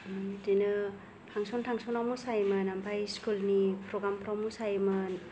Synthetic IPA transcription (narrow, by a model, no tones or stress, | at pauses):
dinɯ | pʰaŋsontʰaŋsonawmusajmɯnampʰajskulnipʰɾoɡɾampʰɾɔmusajmɯn